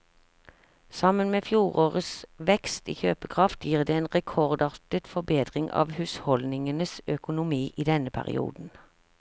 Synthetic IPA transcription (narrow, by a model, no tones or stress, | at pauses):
sɑmənmeːfjuːʁoːʁəsʋɛkst̪ḭːçøːpəkʰʁɑft̪jiːʁd̪eːeːnʁɛkʰɔʁd̪ɑʁt̪ət̪fɔbeːd̪ʁɪŋɑ̰ːʋhʉːshɔlnɪŋənəsœkʊnʊmiːʔiːd̪ɛnəpʰæ̰ʁɪ̰ṵːd̪n̩